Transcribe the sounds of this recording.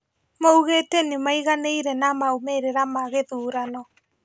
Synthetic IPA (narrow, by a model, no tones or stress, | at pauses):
mouɣetenimaiɣaneiɾɛnamaomeɾeɾamaɣeðuːɾanɔ